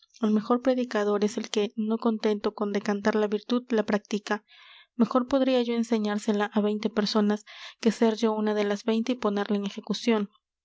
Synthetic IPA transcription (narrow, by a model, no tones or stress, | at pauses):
alme̞xo̞ɾpɾe̞ðikaðo̞ɾe̞se̞lke̞no̞ko̞nt̪e̞nt̪o̞ko̞nd̪e̞kant̪aɾlaβiɾt̪uðlapɾak̚t̪ika | me̞xo̞ɾpo̞ðɾiaʝo̞e̞nse̞ɲaɾse̞laʔaβjnt̪e̞pe̞ɾso̞naske̞se̞ɾʝo̞unaðe̞lazbe̞jnt̪e̞ipo̞ne̞ɾlaeŋe̞xe̞kusjo̞n